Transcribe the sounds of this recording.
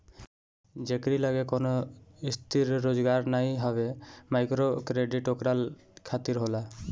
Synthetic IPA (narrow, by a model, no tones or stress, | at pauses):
d͡ʒekɾilaɡekonoist̪ʰiɾːod͡ʒɡaɾnajɦɔβemajkɾokɾeɖiʈokɾal | kʰat̪iɾɦola